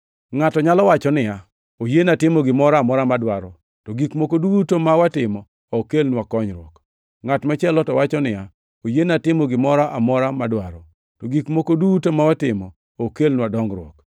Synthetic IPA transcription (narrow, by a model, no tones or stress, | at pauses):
ŋatɔɲalɔwat͡ʃɔnɪja | ojenatɪmɔɡɪmɔɾamɔɾamadwaɾɔ | tɔɡikmokodutomawatɪmɔ | ɔkelnwakɔɲɾwɔk | ŋatmat͡ʃɛlɔtɔwat͡ʃɔnɪja | ojenatɪmɔɡɪmɔɾaʔamɔɾamadwaɾɔ | tɔɡikmokodutomawatɪmɔ | okelnwadɔŋɾwɔ̰k